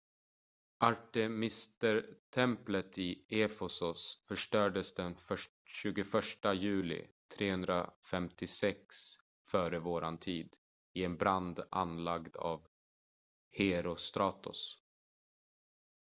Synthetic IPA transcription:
ʔaʈɛmɪst̪əɾt̪ʰɛmplət̪ɪʔefɛsʊsfœʂʈœːɖəsd̪ɛnfœ | ɕʉ̟ːɡʊfœʂʈajʉ̟ːlɪ̰t̪ʰɾeːhɵnd̪ɾafɛmt̪ɪsɛks | fœːɾəvoːɾant̪ʰiːd̪ | ɪɛnbɾand̪a̰nlaɡd̪a̰ːv | heɾʊst̪ɾɑːt̪ʊ̰s

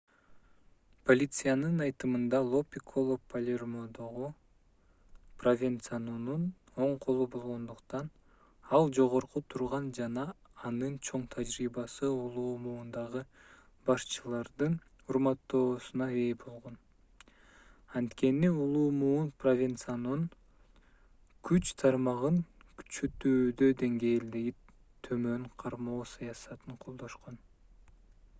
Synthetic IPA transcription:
pʰolʲit̪sɨjanɯnɑjt̪ɯmɯnd̪ɑlˠo̞pʲikʰolˠopʰɐlʲermod̪o̞ʁu | provʲent̪sanunun | o̞ɴqʰo̞lˠubo̞lˠʁo̞nd̪uqt̪ɑn | ɑlˠd͡ʒo̞ʁo̞ɾqut̪ʰuɾʁɑnd͡ʒɑnɑː | nɯnt͡ʃʰo̞ɴt̪ʰad͡ʒɾiːbɑsɯulˠuːmuːnd̪ɑʁɯ | bɑʃt͡ʃɯlˠɑɾd̪ɯn | uɾmɑt̪ːo̞ːsunɑe̞ːbo̞lˠʁo̞n | ɑnt̪ke̞niulˠuːmuːnprovʲint̪sɨjanɯn | kʰyt͡ʃt̪ʰɑɾmɑʁɯnky̥t͡ʃøt̪yːd̪ød̪e̞ŋɡe̞ːld̪e̞jip | t̪ʰːømø̞ŋqʰɑɾmo̞ːsɑjɑsɑt̪ɯɴqʰo̞lˠd̪o̞ʃqon

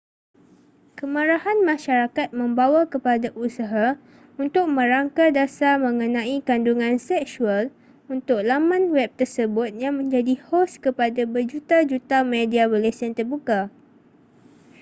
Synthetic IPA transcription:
kəmaɾahanmãʃaɾakat̪̚mə̃mbawakəpadaʔusaɦa | unt̪ʊk̚mə̃ɾaŋkadasamə̃ŋə̃nãikanduŋãnsɛksual | unt̪ʊk̚lamãnwɛp̚t̪ərsəbʊt̪̚jaŋmə̃ɲd͡ʒadihoskəpadabərd͡ʒut̪ad͡ʒut̪amẽdiabolesant̪ərbuka

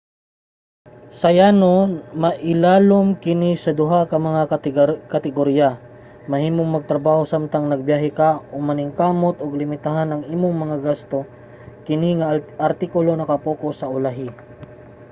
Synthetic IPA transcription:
sɐjanomɐʔɪlaːlomkɪnisɐd̪ʊɦakɐmɐŋakɐt̪ɪɡoɾija | mɐɦhiːmoŋmɐɡ̚t̪ɾɐbaːho̞samt̪ɐŋnɐɡ̚bjaːɦɪkaʔʊmɐnɪŋkaːmot̪oɡlɪmɪt̪aɦanɐŋʔiːmoŋmɐŋaɡast̪o̞ | kɪniŋɐʔɐɾt̪ikʊlo̞nɐkɐpoːkosɐʔʊlaɦɪ

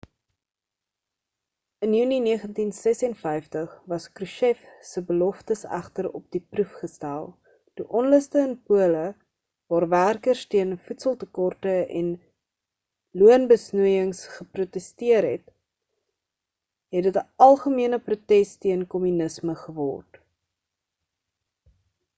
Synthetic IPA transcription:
ənjʉniniəχəntinsɛsɛnfɛjftəχvɐskruʃɛfsəbəlɔftəsæ̰χtəɾɔ̰p̚d̥iprufχəstælˠ | d̥iʔɔnləstəənpuələ | vɑːrværkərstiənfutsəlˠtəkɔrtəɛ̰n | luənbəsnuəjəŋsχəprutɛstiərɦɛt | ɦɛtdətəɐlˠχəmiənəprutɛstiənkɔmynəsməχəvɔ̰rt

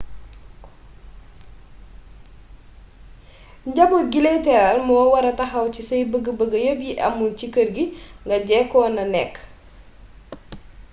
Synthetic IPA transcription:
ɟɐbot̚ɡiletɛɾalmɔːwɐɾɐtɐxɐwcisɐjbəɡəbəɡəjobjiʔɐ̰mːuncikərɡiŋɡɐɟɛkːɔːnɐnɛkː

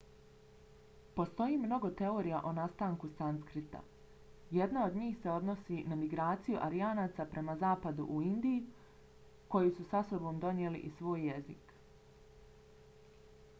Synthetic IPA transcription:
po̞st̪o̞jimno̞ɡo̞t̪e̞o̞ːɾijaʔo̞nast̪aːŋkusanskɾit̪a̰ | je̞d̪nao̞d̪ɲiːxse̞o̞d̪no̞sinamiɡɾaːt̪sijuʔaɾijaːnaːt̪sapɾe̞mazaːpad̪ṵʔuind̪iju | ko̞jususaso̞bo̞ːmd̪o̞ɲjelḭʔisʋo̞ːjːe̞zik

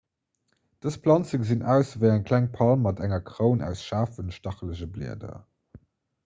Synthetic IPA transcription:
d̥əspʰlɑnt͡səkzinʔæʊsvəɪæŋkʰlæŋpʰɑlmːɑdæŋɐkʰʁəʊnæ̰ʊsʃaːfənʃtɑχləʑəblḭɐdɐ̰

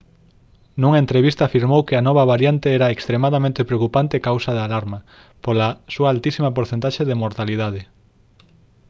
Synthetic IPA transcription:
nuŋaent̪ɾeβist̪aːfiɾmowkɪanɔβ̞ɐβaɾjant̪eɛɾɐekst̪ɾemaðɐmẽnt̪epɾeokupant̪ɪekawsɐðalaɾmɐ | polasuaːlt̪isimɐpoɾθent̪aʃeðemoɾt̪aliðaðe

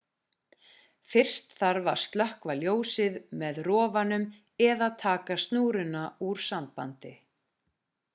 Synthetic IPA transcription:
fɪr̥st̪θaɾvaɾ̥st̪lœhkvaljoːwsɪðmɛðrɔːvanʏm | ɛðaðt̪ʰaːkast̪nuːɾʏnauɾ̥sampa̰nt̪ɪ

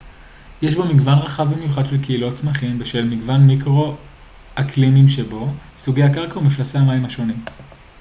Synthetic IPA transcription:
jeʃbo̞miɡvanʁaχavbimejuχadʃelkeilo̞t͡smaχimbeʃelmiɡvanmikʁo̞ | aklimimʃebo̞suɡe̞jakaʁkaumiflaseamaimhaʃo̞nim

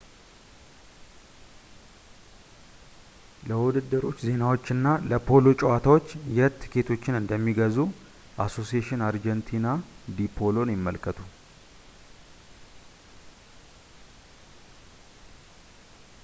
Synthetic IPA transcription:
ləwʊd̪ɨd̪ːɨɾo̞t͡ʃːze̞nawo̞t͡ʃːɨnːaləpʰo̞lo̞t͡ʃʼɛwat̪ʰawot͡ʃːjɛt̪ʰːɨkʰe̞t̪ʰo̞t͡ʃːɪnɨnd̪əmːiɡəzu | ʔaso̞sijeʃɪnaɾd͡ʒɛnt̪ʰinad̪ipʰo̞lo̞njɪmːəlkʰːət̪ʰu

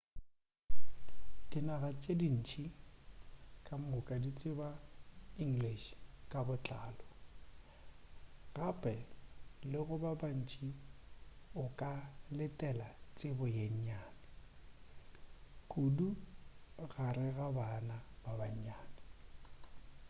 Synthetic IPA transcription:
kʼɪnaɣat͡ʃʼedin̩t͡ʃʰʼi | kʼam̩ʊkʼadit͡sʼɪbaiŋ̩ɡliʃkʼabʊt͡ɬʼaːlɔ | ɣapʼɛlɪɣʊbaban̩t͡ʃʰʼi | ʊkʼalɪtʼɛlat͡sʼɪbʊjeɲ̩ɲaːnɪ | kʼudu | ɣaɾɪɣabanababaɲ̩ɲaːnɪ

